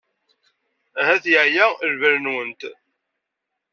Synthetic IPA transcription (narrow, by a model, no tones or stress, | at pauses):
hæθjəʕjæɾvəɾnwənt̪